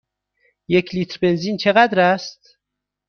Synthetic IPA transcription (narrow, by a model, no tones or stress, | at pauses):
jecʰliːt̪ɾbe̞nziːnt͡ʃʰeɣæd̪ɾæst̪